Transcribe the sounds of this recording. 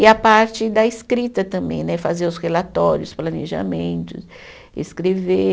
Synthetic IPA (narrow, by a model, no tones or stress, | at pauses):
ɪapaɾt͡ʃɪd̪ɐɪskɾit̪ɐt̪ɐ̃mbḛ̃j̃nɛfazeɾʊshelat̪ɔɾjʊsplɐnḛʒa̰mẽnt̪ʊs | ḛskɾeve